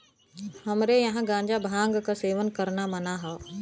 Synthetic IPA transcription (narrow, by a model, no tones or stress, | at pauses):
hɐmɾejɐɦãɡãːɲd͡ʒabʱãːŋɡkaseːʋənkɐɾnamɐnaɦaː